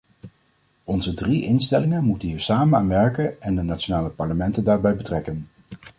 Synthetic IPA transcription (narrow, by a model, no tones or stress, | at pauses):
ɔnzədriʔɪnstɛlɪŋənmutənɦiːɹsaːmənaːnʋɛɹkənɛndənat͡ʃonaːləpɑɹləmɛntəndaːɹbɛjbətrɛkən